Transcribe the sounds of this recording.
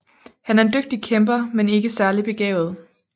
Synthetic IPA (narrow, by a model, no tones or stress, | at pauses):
hænæɐe̝nd̥øɡ̥̚d̥ikʰemb̥ɐmene̝ɡ̥əsæɐlib̥e̝ɡ̥ɛ̰ːʊð̞̩ˠ